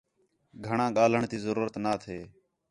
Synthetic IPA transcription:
ɡʱəɳãːɠaːl̤əɳt̪iːzəɾuːɾət̪naːt̪ʰeː

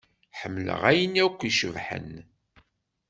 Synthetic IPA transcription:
ħəmːlə̰ʁæjənækʷːiʃəvħə̰n

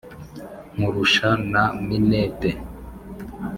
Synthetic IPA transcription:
muɾuʃanaminɛte

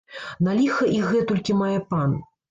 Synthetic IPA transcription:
nalʲixɐʔiɣɛt̪ɔlʲkʲimajɛpan

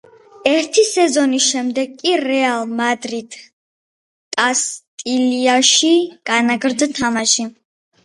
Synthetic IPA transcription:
ɛɾt̪ʰisɛzɔnisʃɛmd̪ɛɡ̚kʼːiɾɛalˠmad̪ɾid̪̥ | t̪ʼast̪ʼiliaʃiɡ̥anaɡɾd̪t̪ʰamaʃi

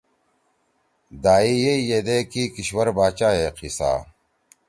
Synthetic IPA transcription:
d̪aːijeijed̪eːkiːkiɕwɐɾbaːt͡ɕaːeqʰisa̰ː

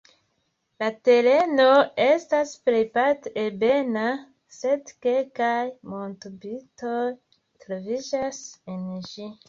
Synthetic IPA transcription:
late̞ɾe̞no̞e̞staspɾejpatebena | se̞dke̞lkajmontobitoj | tɾovid͡ʒasenʒi

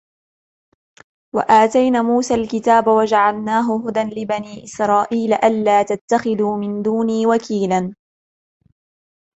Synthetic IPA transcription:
wa̰ʔaːt̪ajnaːmuːsaːlkɪt̪aːbwad͡ʒaʕalnaːɦʊɦʊd̪anlɪbaniːʔɪsɾˤɑːʔiːlaʔalːaːt̪at̪ːaxɪðuːmɪnd̪uːniːwakiːla

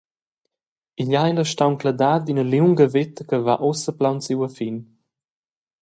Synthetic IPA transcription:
iʎajləʃtawnklad̪aːd̪inəliwŋɡəvet̪əkəvaʔosəplawnt͡siwəfin

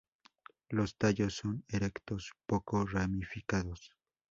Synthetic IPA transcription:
lost̪aʎosːoneɾekt̪ospokoramifikaðos

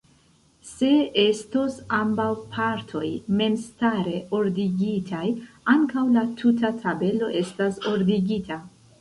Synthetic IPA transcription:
se̞estosambawpʰaɾtʰo̞jme̞mstaɾe̞o̞ɾdiɡitʰaj | aŋkawlatʰut̬atʰabe̞lo̞ʔe̞staso̞ɾdiɡitʰa

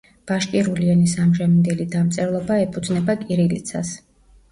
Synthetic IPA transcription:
b̥aʃkʼiɾulianisamʒamind̪ɛlid̪amt̪sʼɛɾlˠɔbaɛpʰud̪znɛbakʼiɾilḭt̪sʰa̰s

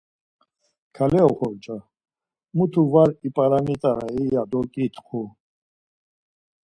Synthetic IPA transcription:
kʰalɛɔχɔɾt͡ʃʼa | mut̪ʰuvaɾipʼaɾanit̪ʼaɾaijad̪ɔkʼit̪ʰqʰu

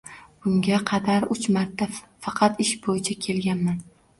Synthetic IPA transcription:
b̥ʊŋɡʲaqʰɑd̪aɾʊt͡ʃmaɾt̪ʰːafɑqʰɑt̪ɪʃbojɪt͡ʃʰakʲʰe̞lɡʲanman

